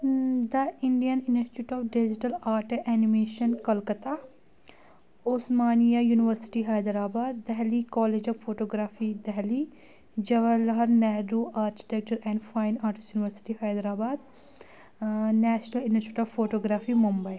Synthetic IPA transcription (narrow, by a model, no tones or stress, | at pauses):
d̪əɪ̃ɳɖijənɪnsʈuːʈɔːʋɖɪd͡ʒɪʈəlaːɾʈʔɛːnɪmeːʃənkɐlkət̪a | oːsmaːnijajuːnɪʋəɾsɪ̥ʈiɦaːjd̪ɾaːbaːd̪ːɛɦlikɔːleːd͡ʒɔːʋfoːʈoːɡɾaːfid̪ɛɦli | d͡ʒɐʋəlɦɐɾnɛːɾuːʔaːɾki̥ʈɛk̚t͡ʃəɾɛ̃ːɳɖfaːɪnaːɾʈɪsʈjuːnɪʋəɾsɪ̥ʈihaːjd̪ɾaːbaːd̪ | nɛːʃnəlɪ̃nsɪʈuːʈɔːʋfoːʈoːɡɾaːfimʊmbəi